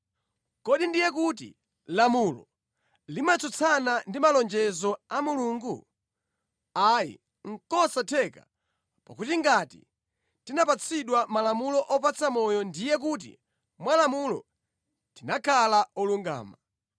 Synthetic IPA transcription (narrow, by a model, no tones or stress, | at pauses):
kɔɗindijɛk̬utḭ | lamulɔ̰ | limat͡sɔt͡sʰanandimalɔnd͡ʒɛzɔamuluːŋɡu | ajḭ | ŋ̩kɔsatʰɛka̰ | pakutiŋɡatḭ | tinapat͡sʰiɗwamalamulɔʔɔp̬at͡samɔjɔndijɛk̬ut̬ḭ | mwalamulɔ̰ | tinakʰalaɔluŋɡa̰ːma